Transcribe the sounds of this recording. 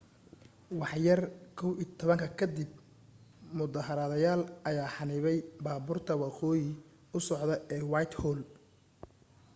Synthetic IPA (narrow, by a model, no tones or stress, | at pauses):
wɑħjɐrkʰɔwiːt̪ʰɔβɐŋkʰɐkʰɐd̪ɪb̚ | mʊd̪ɐɦɐɾɐðɐjaːlʔɐjaːħɑnɪβɛjbaːbʊrt̪ʰɐwɑqɔːjɪ | ʊsɔʕd̪ɐɛːwɑjt̪hɔːl